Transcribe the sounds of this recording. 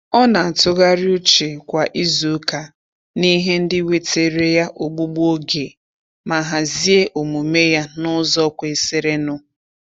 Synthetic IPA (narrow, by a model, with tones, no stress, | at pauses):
ɔ˦na˨a˨tʊ˦ɣa˦ɾɪ˦u˦t͡ʃe˨kʷa˨ʔi˦zo˨˦ka˨ | ni˦ɦe˦n̩˦dɪ˦we˦te˨ɾe˦ja˦ʔo˨ɡ͡bu˦ɡ͡bo˦ɡe˨ | ma˨ɦa˨zi˦e˦ʔo˨mu˨me˦ja˦nʊ˦zɔ˦kʷe˨se˦ɾe˦nʊ˦